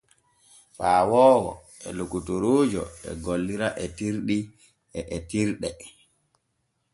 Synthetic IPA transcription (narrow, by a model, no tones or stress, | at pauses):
faːwɔːwɔ̰ | ɛlokutoɾoːd͡ʒɔɛ̰ɡolːiɾaʔɛtiɾɗi | ɛʔɛtiɾɗɛ